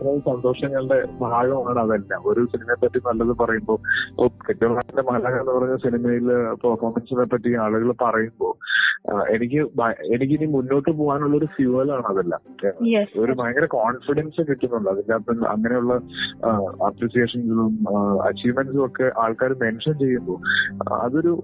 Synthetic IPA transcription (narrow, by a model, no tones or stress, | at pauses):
ɐɾɐusɐnd̪o̞ːʂɐŋːɐɭɨɖe̞bʱaːɡɐmaːɳɨɐðɐlːɐ̰o̞ɾusinimɐpːɐʈːinɐlːɐðɨpɐrɐjumbo̞ːpːokeʈːijɐmaːt̪ːinde̞mɐɐlaɣaenːɨpɐrɐɲːuɐsinimɐjilpɐrfoːrmɐnsinepːɐtːiaːɭuɣɐɭpɐrɐjumbo̞ː | e̞nikʲːɨbʱɐje̞nikʲːinimunːo̞ːʈːɨp̬oːʋaːnuɭːɐo̞ɾufjuɐlaːɳɐðɐlːɐ̰ | o̞ɾubʱɐjɐŋɡɐɾɐkaːɳfiɽɐnsekiʈːunːuɳɖɨɐðɐnːat̪umɐ̰ŋːɐne̞juɭːɐ | ɐpɾiːʂijeːʂɐnsiɭumɐ̰t͡ɕːiːʋmensɨokːe̞ʔaːɭkaːɾume̞nʂɐnt͡ɕe̞jːumbo̞ːɐ̰ðo̞ɾu